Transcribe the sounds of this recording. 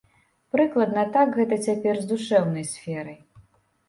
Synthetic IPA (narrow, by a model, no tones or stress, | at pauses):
pɾɨklˠɐd̪nɐt̪akɣɛt̪ɐt͡sʲapʲɛrzd̪uʂɛwnɐjsʲfʲɛɾɐj